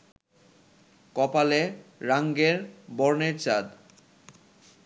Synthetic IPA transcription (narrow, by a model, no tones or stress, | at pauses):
kɔpaleɾaŋɡeɾbɔɾneɾt͡ɕad̪